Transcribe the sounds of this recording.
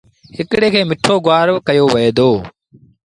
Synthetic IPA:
hɪkɽeːkʰeːmɪʈʰoːɡʊaːɾʋkəjoːʋəeːd̪oː

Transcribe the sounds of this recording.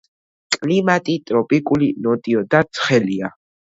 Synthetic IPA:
kʼlimat̪ʼit̪ʼɾɔpʼikʼulinɔt̪ʼiɔd̪at̪sʰχɛlia

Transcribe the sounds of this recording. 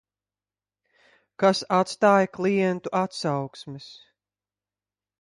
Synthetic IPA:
kasat̪st̪aːjaklˠijɛnt̪uʔat̪sawksmis

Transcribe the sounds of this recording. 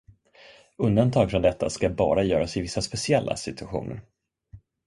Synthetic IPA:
ɵnd̪ant̪ʰɑːɡfɾɔnd̪ɛt̪ʰːa̰skabɑ̰ːɾajœːɾasɪvɪsːaspɛsɪɛlːa̰sɪt̪ɵaɧṵːnə̰ɾ

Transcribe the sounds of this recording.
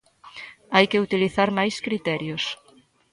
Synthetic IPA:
ajkɪut̪iliθaɾmajskɾit̪ɛɾjos

